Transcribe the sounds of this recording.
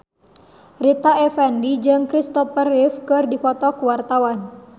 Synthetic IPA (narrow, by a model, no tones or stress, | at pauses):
rit̪aɛfɛndid͡ʒɨŋkɾist̪ɔfərifkɨrdifɔt̪ɔkuwart̪awan